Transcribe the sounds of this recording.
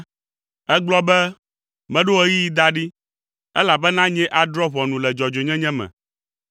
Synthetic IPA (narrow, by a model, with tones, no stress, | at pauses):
ɛ˦ɡ͡blɔ˦bɛ˦ | mɛ̃˦ɖo˦e˦ji˦ji˦d̪a˦ɖi˦ | ɛ˦la˨bɛ˦nã˦ɲɛ̃˦ʔa˨d̪ɾɔ˦βɔ˨nũ˨lɛ˨d͡ʒɔ˨d͡ʒo˨ɲɛ̃˦ɲɛ̃˦mɛ̰̃˨